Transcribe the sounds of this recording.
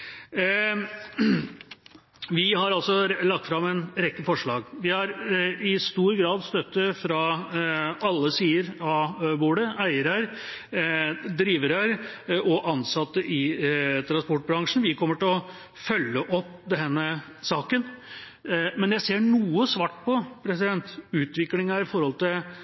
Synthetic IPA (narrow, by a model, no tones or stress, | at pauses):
ʋɪhɑɾɑlsɔlɑkt̪fɾɑmɛnɾɛkːəfɔʂɭɑːɡʋɪhɑɾɪst̪uːɾɡɾɑːd̪st̪œt̪ːəfɾɑ | ɑlːəsiːəɾɑbuːɖəæɪəɾæɾ | d̪ɾiːʋəɾæɾɔʔɑnsɑt̪ːəʔɪt̪ʰɾɑnspɔʈ̚bɾɑŋʂn̩ʋɪkʰɔmːəʈɪlɔ | fœlːəʔɔpːd̪ɛnːə | sɑːkən | mɛnjæɪseːɳuːəsʋɑːʈpʰɔpʰɾɛsɪd̪ɛnt̪ʉːt̪ʋɪklɪŋæɾɪfɔɾhɔlt̪ʰɪl